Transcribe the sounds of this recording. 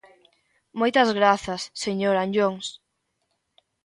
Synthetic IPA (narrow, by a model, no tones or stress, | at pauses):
mojt̪ɐzɣɾaθɐsːeɲoɾaɲʎoŋs